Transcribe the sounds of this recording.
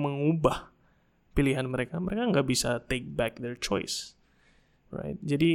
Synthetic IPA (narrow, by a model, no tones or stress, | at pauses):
məŋubah | piliɦanməɾekaməɾekaəŋɡaʔbisat̪ek̚bɛk̚d̪ɛrt͡ʃɔ̰ɪs | ra̰ɪt̪̚d͡ʒadi